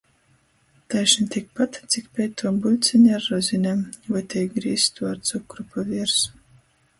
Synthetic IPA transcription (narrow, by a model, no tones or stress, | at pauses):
t̪ajʃnt̪ʲik̚pat̪t̪sʲikpʲɛjt̪t̪ːuɔmbulʲt̪sʲɨɲʲaɾːɔzʲinʲamvajt̪ʲɛjɡɾiːst̪uaɾt̪sukɾupavʲiɛɾs